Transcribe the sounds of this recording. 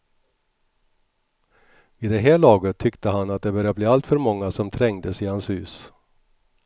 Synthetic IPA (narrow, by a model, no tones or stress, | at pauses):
ɪd̪ɛɦæːɭɑːɡət̪ʰːʏkt̪əɦanat̪̚d̪ɛbœɾjabliːalt̪fœɾmɔŋːasɔmt̪ʰɾɛŋd̪əsɪhanshʉ̟ːs